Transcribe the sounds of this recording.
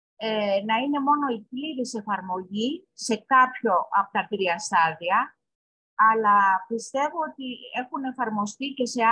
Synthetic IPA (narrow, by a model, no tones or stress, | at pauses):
enɐine̞mo̞no̞ipliɾise̞fɐɾmo̞ʝise̞kɐpço̞ʔɐpo̥t̪ɐt̪ɾiɐst̪ɐðiɐː | lɐpist̪e̞voot̪ie̞xune̞fɐɾmo̞st̪ice̞se̞